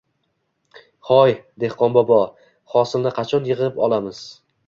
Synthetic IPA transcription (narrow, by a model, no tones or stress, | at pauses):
χɒjd̪e̞hqɒnbɒbɒ | χɒsɪlnɪqʰɑt͡ʃʰɒnjɨʁɨpɒlˠamɪz̥